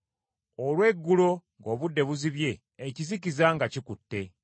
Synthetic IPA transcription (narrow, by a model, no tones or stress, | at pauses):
olwe̞ɡːulo̞ŋɡo̞ːβudːe̞βuziβje̞ː | cizikizaŋɡacikutːe̞